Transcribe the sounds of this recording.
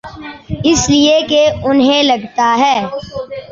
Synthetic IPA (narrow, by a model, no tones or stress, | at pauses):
ɪslɪekeʊnɦẽlɐɡt̪aɦɛː